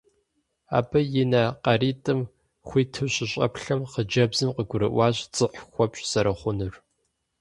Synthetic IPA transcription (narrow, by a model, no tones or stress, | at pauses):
a̰ːbɐjɪnɐqɐriːtʼɨm | xʷiːtʰɨɕɪɕʼɐ̰pɬɐmqəd͡ʒɐbzɨmqəɡʷʊɾɨ̰ʔʷɑːɕt͡sʼɨħxʷɔpɕʼsɐɾʔɐχʷʊnɨr